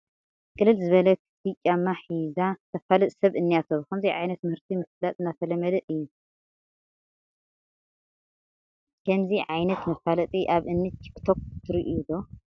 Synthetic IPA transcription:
kʼɨlːɨlzɨβɐlɐkʰsɨt͡ʃʼːamːaħizat̪ʰɐfalɐt̪ʼsɐβɨnːijat̪ʰoβkɐmziʕa̰jnɐt̪mɨhɨɾt̪ʰimɨflat̪ʼɨnːat̪ʰɐlɐmɐd̪ɐʔɨjːu | kʰɐmziʕajnɐt̪mɐfalɐt̪ʼiʔaβʔɨnːɨt͡ʃːkʰɨ̥t̪ʰokt̪ʰɨɾiʔudo

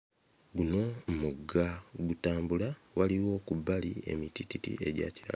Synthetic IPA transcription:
ɡuno̞mmuɡːaɡutaːmbulawaliwo̞ːkubalie̞̰mitititḭe̞ɟa̰ciɾa̰

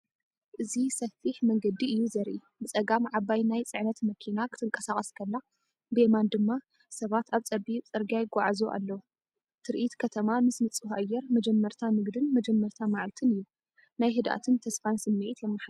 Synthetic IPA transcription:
ʔɨzisɐfːiħmɐŋɡɐd̪iɨjːuzɐɾʔi | bɨt͡sʼɐɡamʕaβajnajt͡sʼɨʕnɐt̪mɐkʰinakʰɨt̪ʰɨŋkʼɐsaχʼɐskʰɐlːa | bɨemand̪ɨmːa | sɐβat̪aβt͡sʼɐbit͡sʼɨɾɡajɡʷaʕzoʔa̰lːɐwu | t̪ʰɨɾʔit̪kʰɐt̪ʰɐmamɨsnɨt͡sʼɨhʔajːɛɾmɐd͡ʒɛmːɐɾt̪ʰamɨɡd̪ɨnmɐd͡ʒɛmːɐɾt̪ʰamaʕlt̪ʰɨnɨjːu | najɦɨd̪ʔa̰t̪ʰɨnt̪ʰɐsfansɨmːiʕit̪jɛmːaħ

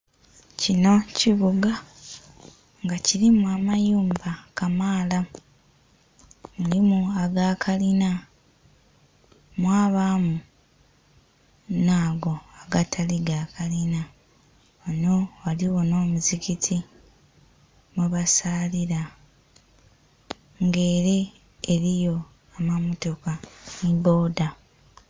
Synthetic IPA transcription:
cino̞ciβuɡa | ŋɡaciɾimuamajuːmbakamaːla | mulimuaɡaːkʰalina | mwaːβaːmu | naːɡo̞aɡatʰaliɡaːkalina | ono̞waliwo̞no̞ːmuzikitʰi | muβasaːliɾa | ŋɡe̞ːɾe̞ː | ɾijo̞ | amamoto̞kanibo̞ːda

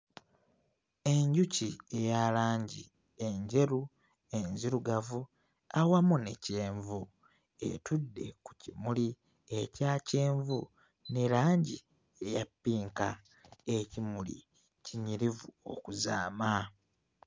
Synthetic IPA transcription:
e̞ɲɟucie̞jalaːɲɟi | e̞ɲɟe̞ɾu | e̞ɲziɾuɡavu | awamunḛce̞ːɱvu | ḛtudːe̞̰ku̥cimuli | ecaːce̞ːɱvu | neɾaːɲɟi | e̞japːiːŋka | ecimulḭ | ciɲiɾivuo̞̰kuza̰ːma

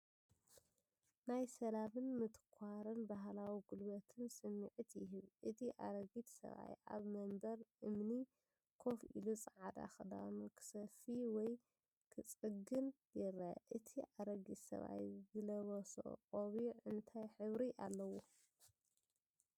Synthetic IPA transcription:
najsɐlamɨnmɨt̪ɨ̥kʷʰaɾɨnbaɦlawiɡulbɐt̪ʰɨnsɨmːiʕut̪jɪɦɨβʔɨt̪ʰiʔa̰ɾɐɡit̪sɐ̰βa̰jʔa̰βmɐmbɐɾʔɨmni | kʰo̞fḭlut͡sʼɨʕad̪a̰xɨd̪a̰nukʰɨ̥sɐfiwɔj | kʰɨt͡sʼɨɡɨn | jɪɾaʔɨt̪ʰiʔaɾɐɡit̪sɐ̰βa̰jzɨlɐβɐso̰qʼoβiʕɨnt̪ʰajħɨβɾiʔalːɐwo

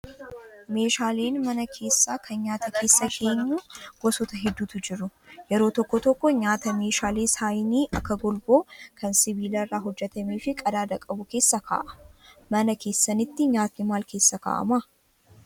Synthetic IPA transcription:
me̞ːʃaːle̞ːnmɐnɐkʰe̞ːsːaːkʰɐnɲaːt̪ɐkʰe̞ːsːɐkʰe̞ːɲːuːɡ̥ɔsɔt̪ɐɦɛd̪ːuːt̪ʊd͡ʒɪɾʊjɛɾo̞ːt̪ɔkːɔt̪ɔkːɔɲaːt̪ɐme̞ːʃaːle̞ːsaːjɪniːʔɐkːɐɡɔlbo̞ːkʰɐnsɪbiːlɐrːaːɦɔd͡ʒːɛt̪ɐmiːfɪkʼɐd̪aːd̪ɐkʼɐbʊke̞ːsːɐkʰa̰ːʔɐ̥mɐnɐke̞ːsːɐnɪt̪ːɪɲaːt̪nɪmaːlke̞ːsːɐka̰ːʔɐ̰mɐ

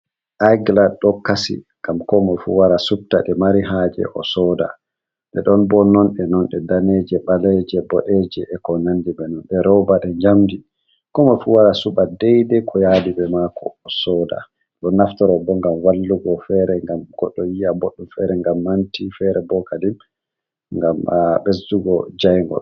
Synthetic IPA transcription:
ʔajɡlaɗɔkasḭŋɡamkɔmɔfṵwaɾasub̚ta̰ɗɛmaɾiɦad͡ʒɛ̰ʔɔ̰sɔda̰ | ɗɛ̰ɗɔnbɔnɔnɗɛnɔnɗɛdaned͡ʒɛɓalɛd͡ʒɛbɔɗɛd͡ʒɛʔɛkɔnandibɛnɔnɗɛɾɔbaɗɛd͡ʒamdi | kɔmafuwaɾasuɓadɛjdɛkʰɔjadibɛmakɔ̰ːsɔːda̰ | ɗɔnːaftɔɾɔbɔŋɡamwalːuɡɔfɛɾɛŋɡamɡ̥ɔɗːɔjijaboɗːumfɛɾɛŋɡamːantifɛɾɛbɔkadim | ŋɡamɓesduɡɔd͡ʒajŋɡɔ̰

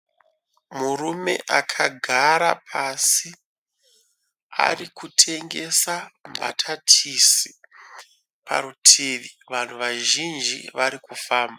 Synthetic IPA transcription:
murume̞̰ʔakʰaɡʱaɾapʰasi | a̰rikutʰe̞ŋɡe̞samba̰tʰatʰisi | pʰa̰ɾutʰiːʋi | ʋan̤uʋaʒind͡ʒiʋaɾikufaːmba

